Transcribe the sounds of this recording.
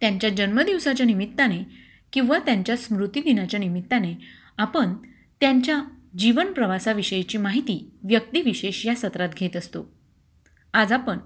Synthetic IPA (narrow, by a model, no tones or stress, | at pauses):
t̪jãɲt͡ɕjad͡ʑənməd̪iʋsat͡ɕjanimit̪ːane | kĩw̃ʋat̪jaɲt͡ɕjasmɾut̪id̪inat͡ɕjanimit̪ːane | apəɳ | t̪jaɲt͡ɕjad͡ʑiʋənpɾəʋasaʋiɕəjet͡ɕiːmaɦit̪iːʋjək̚t̪iːʋiɕeɕjasət̪ɾat̪ɡʱet̪əst̪o | ad͡zapəɳ